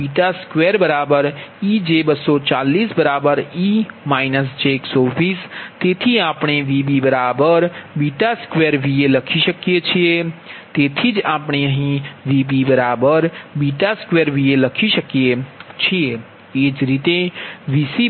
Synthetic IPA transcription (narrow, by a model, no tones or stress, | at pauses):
biʈaskʋeɾbəɾabəɾid͡ʒebəsɔt͡ʃalisbəɾabəɾimaɪnəsd͡ʒeksoɾpʰist̪et̪ʰiapɳeʋibibəɾabəɾbiʈaskʋeɾʋieləkʰisəkijet͡ʃʰijet̪et̪ʰid͡ʒapeəɦĩʋibibəɾabəɾbiʈaskʋeɾʋieləkʰisəkjet͡ʃʰije | ed͡ʒɾit̪eʋisi